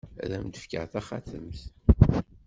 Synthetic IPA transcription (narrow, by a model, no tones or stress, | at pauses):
ɾæ̰md̪əfkə̰ʁθæχaθə̰mθ